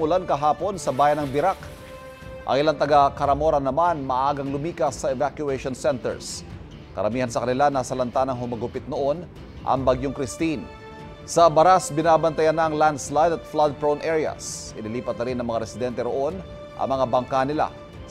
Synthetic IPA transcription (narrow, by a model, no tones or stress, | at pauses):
ʊlankɐɦaːpo̞nsɐbaːjɐnɐŋbɪɾak | ʔɐ̰ŋɪlant̪ɐɡakɐɾɐmo̞ːɾɐnɐmanmɐʔʔaːɡɐŋlʊmiːkɐsːɐɛvakjʊɛʃonsɛnt̪ɛ̰ɹs | kɐ̰ɾɐmiːhɐnsɐkɐnɪlanaːsɐlɐnt̪anɐŋɦʊmɐɡʊpɪt̪̚noʔo̞n | ʔɐ̰ŋbɐɡjoŋkɾɪst̪in | sɐbɐɾasbɪnaːbɐnt̪ɐjanːɐɐŋland̪slajd̪ɐt̪̚flad̪̚pɹownʔɛɹɪɐ̰sʔɪnɪliːpɐt̪̚nɐɾinːɐŋmɐŋaɾɛsɪd̪ɛnt̪ɛɾoʔo̞n | ʔɐ̰ŋmɐŋabɐŋkanɪla̰